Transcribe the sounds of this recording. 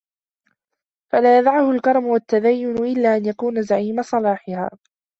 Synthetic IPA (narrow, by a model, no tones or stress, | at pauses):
falaːjaðʕahʊlkɑɾˤɑmʊwat̪ːaðajːʊnʊʔɪlːaːʔanjakuːnazaʕiːmasˤɑlɑːħɪha̰ː